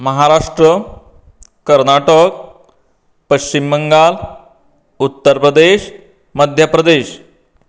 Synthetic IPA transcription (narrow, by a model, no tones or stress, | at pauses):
məɦaɾaʂʈɾə | kəɾnaʈək | pəɕt͡ɕimbəŋɡal | ut̪ːəɾpɾəd̪eɕ | məd̪ʱjapɾəd̪eɕ